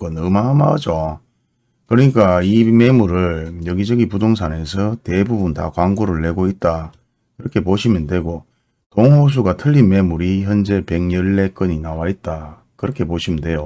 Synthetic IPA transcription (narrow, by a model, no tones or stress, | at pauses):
k͈ʌnɯmamad͡ʑo | kɯɾʌɲik͈aime̞muɾɯɭjʌɡid͡ʑʌɡipudoŋs̬ʰane̞sʰʌte̞bubunta̰kwaŋɡoɾɯɭːe̞ɡoit̚t͈a | kɯɾʌkʰe̞poɕʰimjʌndwe̞ɡo | toŋɦos̬ʰuɡatʰɯʎːinme̞muɾiçjʌnd͡ʑe̞pe̞ŋɲʌɭːe̞k͈ɯɲinawait̚t͈a | kɯɾʌkʰepoɕʰimjʌndwe̞jo